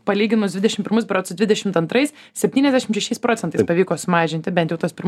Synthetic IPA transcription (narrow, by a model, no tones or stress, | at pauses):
pɐlʲiːɡʲɪnosd̪ʋʲɪd̪ʲɛʃɪmpʲɪɾmʊs̬bɾɐsʊd̪ʋʲɪd̪ʲɛʃʲɪmt̪ɐnt̪ɾɐɪs | sʲɛpʲt̪ʲiːnʲɛzd̪ʲæːʃʲɪmʃʲɛʃʲɛɪspɾoːt̪ʲɛnt̪ɐɪspɐʋʲiːkoːsʊmɑːʒʲɪnt̪ʲɪbʲɛnt̪jɛʊt̪ɐspʲɪɾm